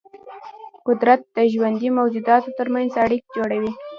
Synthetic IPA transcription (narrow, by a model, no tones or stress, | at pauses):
qʊd̪ɾat̪̚d̪̥əʒwand̪imawd͡ʒud̪ɑt̪ot̪əɾmanzaɽik̚d͡ʒoɽawi